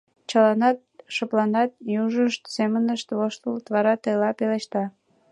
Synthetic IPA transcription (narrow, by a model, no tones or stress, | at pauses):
t͡ɕəlɑnɑt̪̚ʃəplɑnɑt̪̚juʒəʃt̪semənəʃt̪βoʃt̪əlt̪βɑɾɑt̪əjlɑpeleʃt̪ɑ